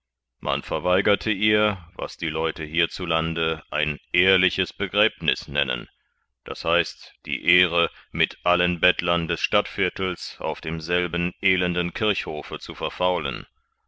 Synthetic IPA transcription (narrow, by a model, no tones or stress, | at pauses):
mʔa̰nfɛɐvaɪɡɐtʰəʔiːɐva̰sd̥iːlɔʏtəɦiːɐt͡sulandəʔaɪnʔeːɐlɪçəsb̥əɡʁɛːpnɪ̰snɛ̰nə̰n | d̥a̰shaɪstd̥ḭːʔeːʁəmɪtʔalənbɛtʰlɐndɛsʃtatfɪɐtl̩sʔa̰ʊfd̥eːmzɛlbn̩ʔeːlɛndən̩kʰɪɐçhoːfət͡sufɛɐfaʊlə̰n